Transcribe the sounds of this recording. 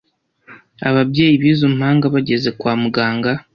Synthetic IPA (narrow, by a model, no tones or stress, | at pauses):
aβabje̞ːjiβiːzomuhaːŋɡaβaɟe̞ze̞kwaːmuɡaːŋɡa